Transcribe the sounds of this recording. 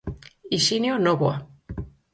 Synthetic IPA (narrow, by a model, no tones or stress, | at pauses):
isinjonoβwa